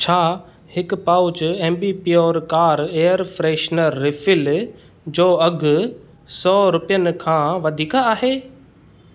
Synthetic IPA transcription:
t͡ɕʰaː | hɪkpaːʊt͡ɕʊẽːmbiːpiːɔːɾkaːɾeːəɾfɾeːʃnəɾːɪfɪl | d͡ʑoːɐɡʱʊ | sɔːɾʊpijənɪ̆kʰãːʋɐd̪ʱiːkaːɦeː

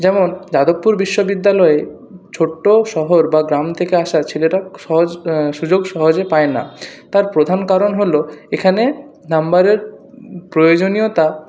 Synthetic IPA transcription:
d͡ʑɛmond͡ʑad̪opːuɾbiʃːobid̪ːalɔe | t͡ɕʰoʈːoʃɔɦoɾbaɡɾamt̪ʰekeaʃaɾt͡ɕʰeleʈaʃɔɦod͡ʑʃud͡ʑoɡʃɔɦod͡ʑepaena̰t̪aɾpɾod̪ʱankaɾonɦoloekʰane | nambaɾeɾ | pɾojod͡ʑoniot̪a

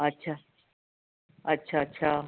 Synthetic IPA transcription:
ətːɕʰaː | ətːɕʰatːɕʰaː

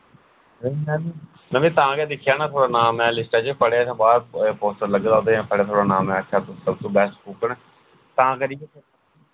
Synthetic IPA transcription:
ɾenɛːiː | mɛ̃ːʋĩːt̪ãːkɛːd̪ɪkʰːjaːnaːt̪ʰoːɽaːnaːmɛ̃ːlɪsʈaːt͡ʃəpəɽeːat̪ãːbaːɾpoːsʈəɾləɡd̪ãːd̪eːɛ̃ːkʰəɽeːt̪ʰoːɽaːnaːmɛ̃ːəkʰːaːt̪ʊsəbt̪õːbɛːsʈkuːkəɳː | t̪ãːkəɾiːeː

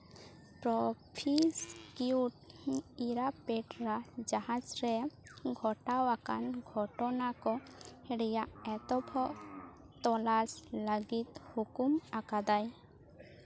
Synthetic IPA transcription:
pɾɔpʰiskiuʈiɾapɛʈɾad͡ʒahãd͡ʒɾɛɡʱɔʈawakanɡʱɔʈɔnakɔhɛɽɛjaʔɛt̪ɔbʱɔʔ | t̪ɔlasləɡit̪hukumakad̪aj

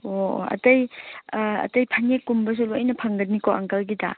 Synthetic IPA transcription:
oɐ̰tɐj | ɐ̰tɐjpʰanekːumbɐs̬uluɐjnɐpʰɐŋɡɐt̚nikoʔɐ̰ŋkɐlɡida̰

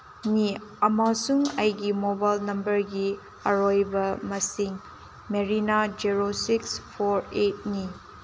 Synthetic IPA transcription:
niɐmasuŋɐjɡimobajlnɐmbɐɾɡi | ɐɾojbɐmɐsiŋ | meɾinad͡ʒiɾosikspʰoɾet̚ni

